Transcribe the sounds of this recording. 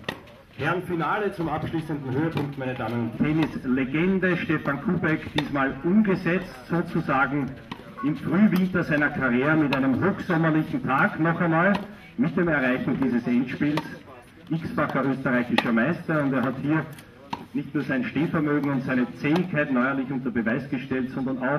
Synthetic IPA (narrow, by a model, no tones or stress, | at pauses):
hʰɛɐnfinaːlət͡sʊmapʃliːsəndn̩høːəpʰʊŋk̚tmæɪnədaːmənʊnttʰɛnɪsleɡɛndəʃtɛfankʰuːbɛkd̥iːsmaːlʔʊmɡəzɛt͡stz̥oːt͡suzaːɡŋ̩ | ɪmfʁyːvɪ̃ntɐzæɪnɐkʰaʁjeːʁəmɪtæɪnəmhoːxz̥ɔmɐlɪçn̩tʰaːknɔχɛɐnɔʏt | mɪt̚d̥eːmɛɐʁaɪçn̩diːzəsɛntʃpiːls | ʔɪksb̥aχɐʔøːstəʁaɪçɪʃɐmæɪstɐʊntdeːɐɦathiːɐ | nɪçtnuːɐzæɪnʃteːfɛɐmøːɡŋ̩ʊntsæɪnət͡seːɪçkʰːaɪtnɔʏɐlɪçʊ̃ntɐbəvæɪsɡ̥əʃtɛltz̥ɔndɐnɑʊx